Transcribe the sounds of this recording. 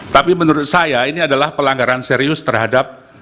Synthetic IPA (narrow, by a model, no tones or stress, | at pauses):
t̪apimənuɾʊt̪̚sajainiadalahpəlaŋɡaɾanseɾiʊst̪ərɦadap̚